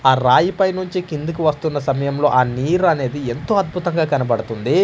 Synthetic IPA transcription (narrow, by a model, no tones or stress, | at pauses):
aːɾaːjipɐjnuɲt͡ʃikind̪ukuʋɐst̪unːɐsɐmɐjɐmlo̞ːʔaːniːɾɐne̞ːd̪ie̞nt̪o̞ːɐd̪̚bʱut̪ɐŋɡaːkɐnɐpɐɽut̪und̪i